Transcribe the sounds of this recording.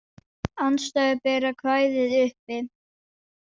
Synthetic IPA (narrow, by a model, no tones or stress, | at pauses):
anst̪aɣapɛːɾakʰvaːjðɪðʏhpɪð